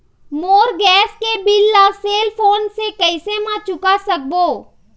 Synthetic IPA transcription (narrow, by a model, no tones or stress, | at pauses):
moːɾɡɛːskebɪlːaseːlpʰoːnsekəɪsemãt͡ʃʊkasək̚boː